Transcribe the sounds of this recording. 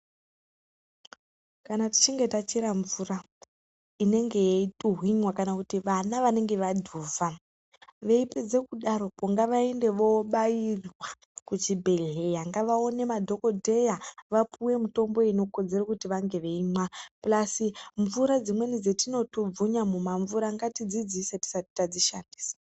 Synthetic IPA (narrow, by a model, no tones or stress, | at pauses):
kanati̥t͡ʃiŋɡe̞tat͡ʃiɾaɱvura | ine̞ŋɡe̞jeituɦwiɲwakanakutiʋanaʋane̞ŋɡe̞ʋadʱuːva | ʋe̞iped͡ze̞kuɗaɾo̞poŋɡaʋaende̞ʋo̞ɓairwa | kut͡ʃibʱe̞ɮe̞jaŋɡaʋao̞ne̞madʱo̞ko̞dʱe̞jaʋapʰuwe̞muto̞mbo̞ino̞ko̞d͡ze̞ɾakutiʋaŋɡe̞ʋe̞iɲwaplasiɱvuɾad͡zimwe̞nid͡zetino̞tub͡vuɲamumaɱvuɾaŋɡatid͡zid͡ziseti̥sati̥tad͡ziʃandi̥ːsḁ